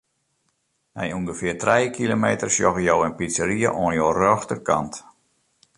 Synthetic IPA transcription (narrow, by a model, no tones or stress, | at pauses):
nɛ̰juŋɡəfɪərtrɛjkʰilomeːtərsjɔɣəjoːɛnpisəɾiəʔoənjoːrøxtərkʰa̰nt